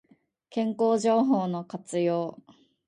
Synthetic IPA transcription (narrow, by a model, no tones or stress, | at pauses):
kẽ̞ŋko̞ːʑo̞ːɦo̞ːno̞kat͡sɨjo̞ː